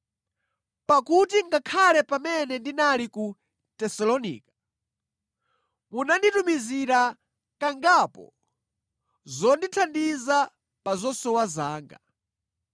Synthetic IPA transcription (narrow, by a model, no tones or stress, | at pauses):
pakutiŋɡakʰalɛpamɛnɛndinaliku | tɛsɔlɔnḭːkḁ | munanditumiziɾa | kaŋɡapɔ̰ | zɔnditʰandiza | pazɔsɔwazaːŋɡa